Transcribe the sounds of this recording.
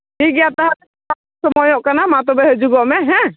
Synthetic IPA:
hiɡɛjat̪aɦat̪ɛ | a | sɔmɔjɔʔkanamat̪ɔbɛɦəd͡ʒuɡɔʔmɛɦɛ̃

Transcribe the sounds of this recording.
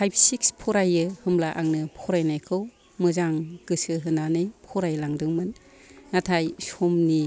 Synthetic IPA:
pʰajpʰsikspʰɔɾajɯhɯmlaʔaŋnɯpʰɔɾajnajkʰɯw | mɯzaŋɡɯsɯɦɯnanɯjpʰɔɾajlaŋdɯŋmɯn | natʰajsɔmni

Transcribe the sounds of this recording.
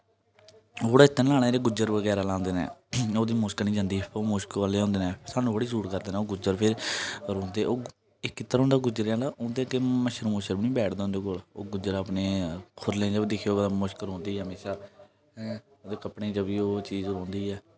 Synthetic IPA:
ɦoːɽaːɪt̪ʰːnlaːɽ̃ãɾeːɡʊd͡ʒəɾʋəɡɛːɾaːlãːnd̪eːnɛ̰ːoːd̪iːmʊʃknĩːd͡ʒãːnd̪iːoːmʊʃkaleːõːnd̪eːnɛ̃ːsaːnũːbəɽiːsuːɾkəɾd̪eːnɛːoːɡʊd͡ʒəɾpʰɪɾɾõːnd̪eːoː | ɪkːɪt̪ːəɾɦõːnd̪aːɡʊd͡ʒəɾãːlaːõːnd̪eːkeməʃəɾmʊʃəɾbniːbɛːʈʰd̪ãːnd̪eːkoːlo̰ːɡʊd͡ʒəɾaːpneːkʰʊɾlẽːd͡ʒəbd̪ɪkʰːjoːmʊʃkəlɦõːnd̪iːɦəmeːʃaː | oːd̪eːkəpɳẽːd͡ʒəbiːoːt͡ʃiːzɾõːnd̪iːɛː

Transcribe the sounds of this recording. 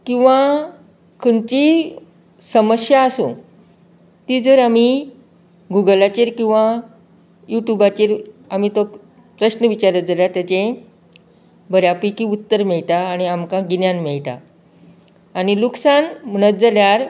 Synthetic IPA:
kĩw̃ʋa | kʰənt͡ɕi | səməɕjaːsṵ̃ | t̪id͡zəɾami | ɡuɡəlat͡ɕiɾkĩw̃ʋã | juʈjubat͡ɕiɾamiːt̪o | pɾəɕnəʋit͡ɕaɾət̪̚d͡zaljat̪jat͡ɕẽ | bəɾjapikiut̪ːəɾmɛɭʈ̪aːñiamkãɡinjãnmɛɭʈ̪a̰ | ɽ̃iluksanm̤əñət̪̚d͡zaljaɾ

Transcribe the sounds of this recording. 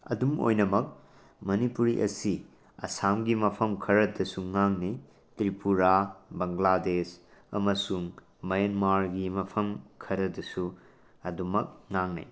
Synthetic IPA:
ɐ̰dumo̰jnɐmɐk̚ | mɐnipuɾiʔɐ̰si | ɐ̰samɡimɐpʰɐmkʰɐɾɐdɐsuŋaŋni | tɾipuɾabɐŋladesɐmɐsuŋ | mɐjɐnmaɾɡimɐpʰɐmkʰɐɾɐdɐsu | ɐdumɐk̚ŋaŋnɐ̰j

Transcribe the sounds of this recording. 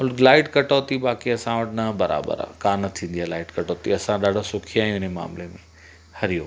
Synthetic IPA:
ʊlɡlaːɪʈkɐʈoːt̪iɓaːkiɐsãʋɐʈnɐbɐɾa̰ːbə̰ɾa̰kaːnɐt̪ʰĩːn̆d̪ijalaːɪʈkɐʈoːt̪iɐsãɗaːɖʱasʊkʰiaːɦjũɪnema̰ːmlemẽ | hɐɾijo̰ː

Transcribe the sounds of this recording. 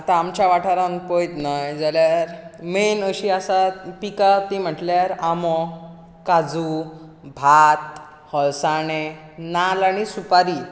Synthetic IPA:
at̪ãːmt͡ɕaʋaʈʰaɾãnpojt̪najd͡zaljaɾmenəɕiasapikat̪im̤əʈljaɾamɔ | kad͡zu | bʱat̪ | hɔlsaɽ̃e | nalaɽ̃isupaɾi

